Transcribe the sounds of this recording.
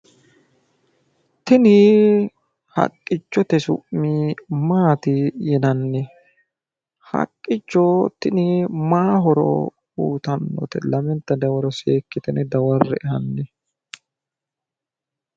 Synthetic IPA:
t̪ɪnɪ | hɐ̰kʼːɪt͡ʃːɔt̪ɛsʊ̰ʔmiːmaːt̪ɪjɛnɐnːɛ | hɐ̰kʼːɪt͡ʃːɔt̪ɪnɪmaːɦɔɾɔ̰ | ṵːt̪ɐnːɔ̰t̪ɛlɐmɛnt̪ːɐd̪ɐwɐɾɔseːkːɪt̪ɛnɛd̪ɐwɐrːɛ̰ɛhɐnːɛ

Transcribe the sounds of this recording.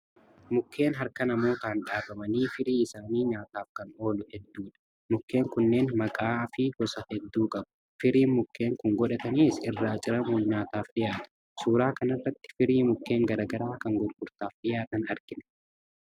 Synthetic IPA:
mʊkːe̞ːnɦɐɾkɐnɐmo̞ːk̪aːnᶑaːbɐmɐniːfɪɾiːɪsaːniːɲaːt̪aːfkɐno̞ːlʊhɛd̪ːuːᶑɐ̥ | mʊkʰːe̞ːŋkʊnːe̞ːnmɐkʼaːfɪɡɔsɐhɛd̪ːuːkʼɐbʊ̥ | fɪɾiːnmʊkʰːe̞ːŋkʊŋɡɔᶑɐt̪ɐniːsɪrːaːt͡ʃʼɪɾɐmoːɲaːt̪aːfᶑɪjaːt̪ɐ̥ | suːɾaːkɐnɐrːɐt̪ːɪ̥fɪɾiːmʊkːe̞ːŋɡɐɾɐːɡɐɾaːkɐŋɡɔɾɡʊɾt̪aːfᶑɪjaːt̪ɐnɐɾɡɪnɛ̥

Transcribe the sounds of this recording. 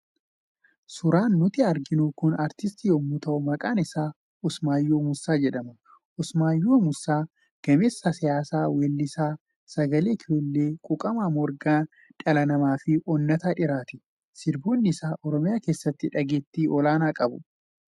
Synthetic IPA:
sʊɾaːnːʊt̪ɪɐɾɡɪnukʊnɐɾt̪ɪst̪ijoːmːʊt̪ɐʔʊmɐkʼaːnɪsaː | ʊsmaːjːoːmʊsːaːd͡ʒɛᶑɐmɐ | ʊsmaːjːoːmʊsːaː | ɡ̥ɐmeːsːɐsɪjaːsaːweːlːɪsaː | sɐɡɐle̞ːkʰɪoːlːe̞ːkʼʊkʼɐmaːmɔɾɡaː | ᶑʼɐlɐnɐmaːfɪʔɔnːɐt̪aːᶑɪɾaːt̪ɪ̥ | sɪɾbo̞ːnːɪsaːʔɔɾɔmɪjaːke̞ːsːɐt̪ːɪᶑɐɡeːt̪ːiːʔɔlaːnaːkʼɐbʊ

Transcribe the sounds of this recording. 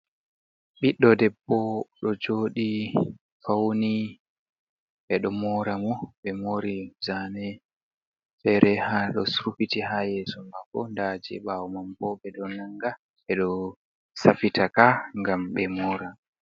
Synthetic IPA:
ɓiɗːɔdɛbːɔɗɔd͡ʒoːɗi | fawni | ɓɛɗɔmɔːɾamɔɓɛmoɾizanɛ | fɛɾɛhaɗɔ̰suɾufitihajɛːsɔmakːɔ̰ndad͡ʒɛ̰ɓawɔmambɔɓɛɗɔnaŋɡa | ɓɛɗɔ | safitakaŋɡamɓɛmɔːɾa

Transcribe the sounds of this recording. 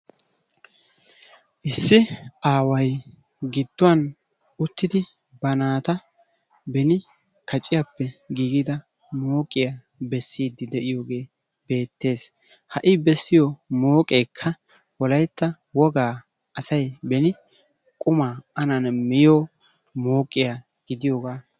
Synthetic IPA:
ʔɪsːɪʔaːwɐj | ɡɪd̪̥ːʊwɐn | ʊt̪ːɪd̪ɪ | bɐnaːt̪ɐ | bɛnɪ | kɐt͡ʃʼːɪjɐpːɛɡiːɡɪd̪ɐ | mo̞ːkʼɪjɐ | bɛsːiːd̪ːɪd̪ɛʔɪjoːɡe̞ː | be̞ːt̪ːe̞ːs | hɐʔɪbɛsːɪjɔmoːkʼeːkʰːɐ | wɔlɐjt̪ːɐ | wɔɡaː | ɐsɐjbɛnɪ | kʼʊmaːʔɐnɐnmɪjoː | mo̞ːkʼːɪja | ɡ̥ɪd̪ɪjoːɡaː

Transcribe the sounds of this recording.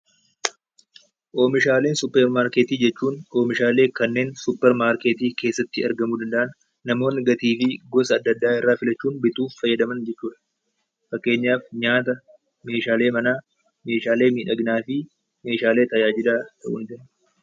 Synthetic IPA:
ʔo̞ːmɪʃaːleːnsʊpːɛɾmaːɾkeːt̪iːd͡ʒɛt͡ʃːuːnʔo̞ːmɪʃaːle̞ːkɐnːe̞ːnsʊpːɛɾmaːɾkeːt̪iːke̞ːsːɐt̪ːɪɐɾɡɐmuːd̪ɐnd̪ɐʔɐnː | ɐmo̞ːnːɪɡɐt̪iːfɪɡɔsɐːd̪ːɐd̪ːaːɪrːaːfɪlɐt͡ʃːuːnbɪt̪uːffɐjːɐd̪ɐmɐnd͡ʒɛt͡ʃːuːᶑɐ̥ | fɐkːe̞ːɲːaːfɲaːt̪ɐ | me̞ːʃaːleːmɐnaː | me̞ːʃaːle̞ːmiːᶑɐɡnaːfɪ | me̞ːʃaːle̞ːt̪ɐjaːd͡ʒɪd̪aːt̪ʰɐʔʊnd͡ʒ̪ɛn

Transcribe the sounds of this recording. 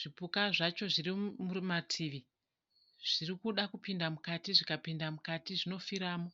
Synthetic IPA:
ʐ̥ipukaʐat͡ʃo̞ʐirimuimatʰiːʋi | ʐ̥irikuɗakupindamukatiʐikapindamukatiʐino̞fiɾaːmo̞

